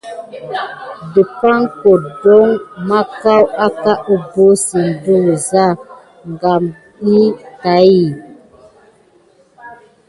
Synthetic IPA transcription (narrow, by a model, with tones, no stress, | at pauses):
di˨pa˦ŋko˨do˦ŋma˦ka˦wa˦ka˦ʔu˦bo˦si˨n̩˨du˦˨za˦˨ | ŋ˨ɡa˨m | i˦ka˨˦ji˨